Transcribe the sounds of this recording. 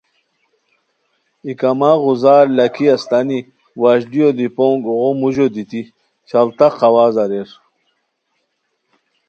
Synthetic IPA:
ikamaʁuzaːɾlɐkʰiɐst̪ani | waɕdijod̪ipoŋɡoʁomuʑod̪it̪i | t͡ɕʰɐlt̪aqɐwaːzɐɾeɾ

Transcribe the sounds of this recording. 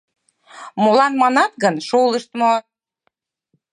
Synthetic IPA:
molɑnmɑnɑt̪̚ɡənʃoləʃt̪mo

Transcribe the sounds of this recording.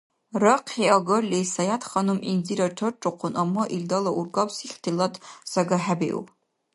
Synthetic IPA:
raqʰiaɡɐrlʲejsajatχanumind͡ziɾaʈ͡ʂʰɨrʈ͡ʂʼɨqʷʰʊnʔamːaʔildalaʔurɡapsiχʲtʰilatʼzaɡaħabḛʔṵpʼ

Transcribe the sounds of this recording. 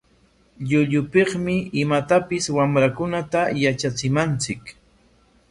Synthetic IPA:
ʎʊʎʊpeχmɪɪmat̪apɪswamɾakʊnat̪ajat͡ʃat͡sɪmant͡sɪk

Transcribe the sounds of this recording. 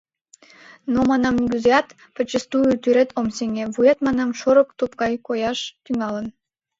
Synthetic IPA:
nomɑnɑmnʲɡʲyzeɑt̪ | pət͡ɕəst̪ujyt̪yɾet̪ʰomseŋɡeβujet̪mɑnɑmʃoɾə̆kt̪upkɑjkojɑʃt̪yŋɑlən

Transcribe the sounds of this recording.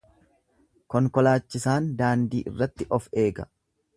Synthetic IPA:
kɔŋkɔlaːt͡ʃːɪsaːnd̪aːnd̪ḭːʔɪ̰rːɐt̪ːɪʔɔfe̞ːɡɐ

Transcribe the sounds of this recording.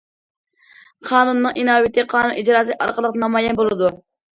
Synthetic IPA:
qʰɑːnunːɨŋʔinɑːwɪt̪ʰɪqʰɑːnunid͡ʒɾɑːsɨʔɑ̰ɾqəlˠəqnɑmɑjɛnbolˠɨd̪u

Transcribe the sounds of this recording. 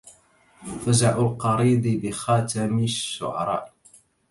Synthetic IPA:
fazaʕʊlqɑɾˤiːd̪ˤɪbɪxɑːt̪amɪʃːʊ̰ʕɑ̰ɾˤɑ̰ːʔ

